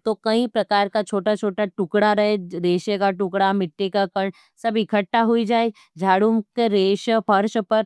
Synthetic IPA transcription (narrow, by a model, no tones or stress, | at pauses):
t̪okɐɦĩpɾɐkaːɾkat͡ʃʰoːʈat͡ʃʰoːʈaʈʊkɽaɾɐɦeɾeːʃekaʈʊkɽamɪʈːekakɐɳ | sɐbʱikʰəʈːaɦuid͡ʒaːe | d͡ʒʱaːɽumkeɾeːʃpɐɾʃpɐɾ